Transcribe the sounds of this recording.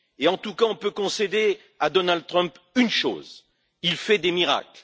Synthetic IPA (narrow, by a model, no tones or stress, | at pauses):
eɑ̃t̪ukaɔ̃pøkɔ̃sed̪e | ad̪ɔnald̪̚t̪χœ̃mpynʃo̰ːz | ilfɛd̪emiʁa̰kl